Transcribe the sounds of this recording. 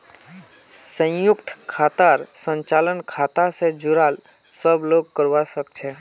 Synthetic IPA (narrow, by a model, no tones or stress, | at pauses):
sə̃jʊkt̪ʰkʰat̪aɾsə̃nt͡ʃalənkʰat̪asẽd͡ʒuɾal | səbloɡkəɾwasək̚t͡ʃʰɛ